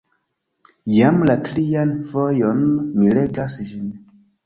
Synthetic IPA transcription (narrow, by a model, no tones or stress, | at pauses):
jamlatɾianvo̞jonːile̞ɡasd͡ʒin